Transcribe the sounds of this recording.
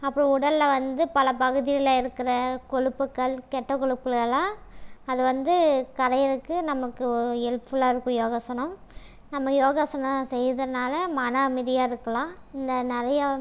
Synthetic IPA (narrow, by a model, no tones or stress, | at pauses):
ɐpːɽĩʊɽɐllɐʋɐnd̪ɯpɐlɐpɐɣɯðɪjɐlaːɪɾɯkːɪɾɐkɔɻɯpːɯkːɐɭkɛʈːɐkɔɻɯpːɐɭɐɭãːɐðɯʋɐnd̪ɯkɐɽɐjɐɾɯkːɯnɐmɐɭɯkːɯɛlpɯlaːɪɾɯkːʊ̃joːɣɐsɐnɐ̃m | nɐmːɐjoːɣɐsɐnɐsɛjːɐðɐnaːlɐmɐnaːmɪðɪjaːɪɾɯkːɐlãː | ɪnd̪ɐnɪɾɐjɐ